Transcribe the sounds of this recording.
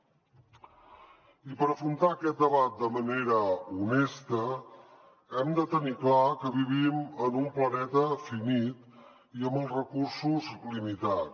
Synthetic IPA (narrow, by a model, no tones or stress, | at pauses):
ipəɾəfɾunt̪aəkɛt̪̚d̪əβat̪̚d̪əməneɾəunest̪ə | ɛmd̪ət̪əniklakəβiβ̞imənumplənɛt̪əfinit̪ | iəmbəlˠzrəkursuzlimit̪at